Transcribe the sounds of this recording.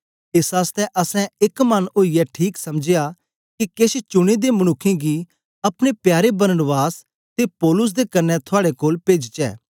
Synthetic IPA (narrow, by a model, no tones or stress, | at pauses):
ɪsaːst̪ɛʔɐsɛ̃ɪkmɐnoːiɛʈʰiːksɐmd͡ʒeja | kikeʃt͡ʃʊɽ̃ed̪emɐñʊkʰːẽɡi | ɐpɽ̃epjaːɾebɐɾənʋaːs | t̪epɔːlʊs̬d̪ekɐɾnːɛt̪ʰʊaːɽekoːlpeːd͡ʒt͡ʃɛ̰ː